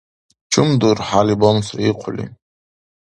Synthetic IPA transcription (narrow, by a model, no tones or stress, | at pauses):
t͡ʃʰɨmdurħalibonsraiqʷʰʊlḭ